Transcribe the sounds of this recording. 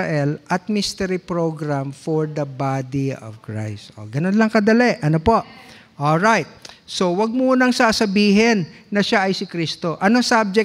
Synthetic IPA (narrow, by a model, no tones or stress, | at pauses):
ʔɛlʔɐt̪̚mist̪ɛɾipɹoɡɾamfoɹd̪ɐbad̪iɔ̰vkɹa̰jst̪ʔo̰ɡɐnonlɐŋkɐd̪ɐlɛʔʔɐnopoʔ | ʔolɹajt̪̚so̞wɐɡ̚muːnɐŋsaːsɐbiːɦɛnːɐʃaʔɐjsɪkɾist̪o̞ʔɐnosab̚d͡ʒɛ